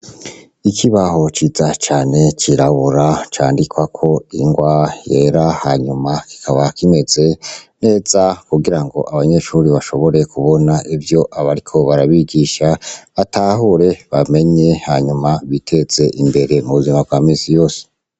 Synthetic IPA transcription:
ikʰiβaɦo̞t͡ʃiːzat͡ʃaːne̞t͡ʃiɾaβuɾat͡ʃaːndikwakʰo̞iŋɡwajeɾahaɲumaki̥kʰaβakime̞ze̞ne̞ːz̥akuɡiɾaŋɡo̞̰ʔaβaɲe̞ʃuːɾiβaʃo̞βo̞ɾe̞kʰuβo̞naʔivjo̞ʔaβaɾikʰo̞βaɾaβiɡiʃaβataːɦuɾe̞βame̞ɲe̞haɲumaβitʰe̞z̥e̞ʔimbe̞ɾe̞muβuzimab̚ɡwaːmiːsijo̞ːse̥

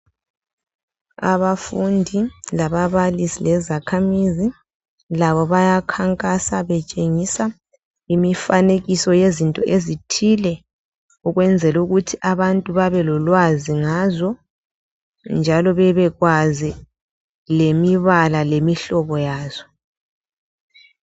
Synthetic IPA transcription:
a̰βafundʱilaβaβalisilɛzakʰamizi | laβɔβajakʰaŋkʼasaβɛt͡ʃʼeŋisa | imifaneɣisɔjezintʼɔʔezitʰilɛ | uɣwɛnd͡zʱɛluɣutʰiʔaβantʼuβaβɛlɔlwaziŋazɔ | nd͡ʒʱalɔβɛβɛɣwazi | lemiβalalemiɬɔβɔjaːz̥ɔ

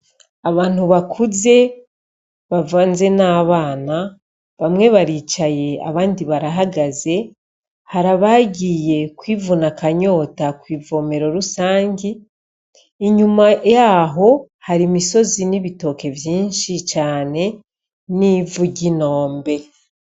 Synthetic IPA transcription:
aβaːn̥huβakʰuze̞ | βavaːnze̞naːβaːna | βamŋe̞βaɾiːt͡ʃaje̞a̰βaːndiβaɾaɦaɡaze̞ | haɾaβaɟiːje̞kwiːvunakaɲo̞ːtakwiːvo̞me̞ɾo̞ɾusaːɲɟi | iɲumajaːɦo̞ | haɾimiso̞ziniβito̞ːke̞vjiːnʃit͡ʃaːne̞ | niːvuɟino̞ːmbe̞

